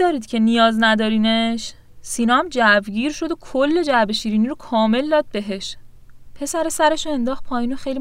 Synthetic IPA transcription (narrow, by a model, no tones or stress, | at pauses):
ɒːɾiːd̪cʰe̞nijɒːznæd̪ɒːɾiːneʃ | sinɒːmd͡ʒævɟiːɾʃo̞d̪okʰolːe̞d͡ʒæbe̞ʃiːɾiːniɾokʰɒːme̞ld̪ɒːd̪̚be̞ɦe̞ʃ | pʰe̞sæɾesæɾe̞ʃoe̞nd̪ɒːxt̪̚pʰɒːjiːnoxejli